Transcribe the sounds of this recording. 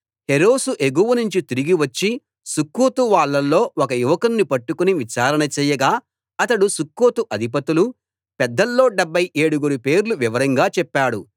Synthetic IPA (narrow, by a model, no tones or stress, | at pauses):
heɾoːsuʔeɡuːʋɐnuɲt͡ʃit̪iɾiɡiʋɐt͡ʃːi | sukːoːt̪uʋaːɭːɐlːo̞ːɔkɐjuʋɐkɐnːipɐʈːukuniʋit͡ʃaːɾɐnɐt͡ʃɛːjɐɡaː | ɐt̪ɐɽusukːoːt̪uʔɐd̪ʱip̬ɐt̪ulu | pɛd̪ːɐlːo̞ːɖebʱːɐjʔe̞ːɽuɡuɾupe̞ːɾluʋiʋɐɾɐŋɡaːt͡ʃɛpːaːɽṵ